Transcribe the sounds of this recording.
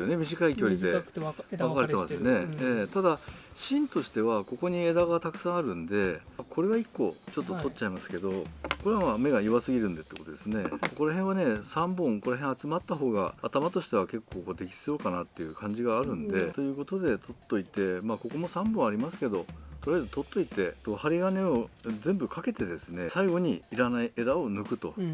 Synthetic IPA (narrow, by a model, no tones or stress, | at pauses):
jone̞mʲiʑikaikʲo̞ɾʲid̪e̞βakaɾeemasɨjone̞eːt̪ad̪aɕĩnt̪o̞ɕi̥t̪e̞βako̞ko̞ɲ̟ied̪aɡat̪akɯ̟̥sãaɾɯ̟̃nd̪e̞kʰo̞ɾe̞βaikːo̞t͡ɕo̞t̪ːot̪o̞tt͡ɕaimasɨ̥ke̞d̪o̞ko̞ɾeβamame̞ɡaiβasɨɡʲiɾɯ̟nd̪et̪ːeko̞t̪od̪e̞sɨne̞koko̞ɾaɦẽɰ̃βane̞sãmbõ̞ŋko̞ɾaɦẽat͡sɨmat̪ːaɦo̞ːɡa̰at̪amat̪o̞ɕi̥t̪e̞β̞ake̞kːo̞ːko̞ːd̪e̞kʲi̥sɨjo̞kanat̪ːe̞jɯ̟kʰãɲ̟d͡ʑiɡaːɾɯ̟̃nd̪e̞t̪o̞jɯ̟ːko̞t̪o̞d̪e̞t̪ʰo̞t̪ːo̞it̪e̞mako̞ko̞mo̞sãmbõ̞ɰ̃aɾʲimasɨ̥ke̞d̪o̞t̪o̞ɾjaezɨt̪o̞t̪ːo̞it̪e̞t̪ohaɾʲiɡane̞o̞zẽ̞mbɯ̟kʰake̞t̪e̞d̪e̞sɨne̞saiɡo̞ɲ̟iːɾanaie̞d̪ao̞nɯ̟kɯ̟t̪o̞